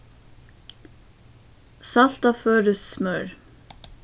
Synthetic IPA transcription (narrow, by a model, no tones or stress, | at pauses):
sɑlt̪ɑːføːɹʉssmœɹ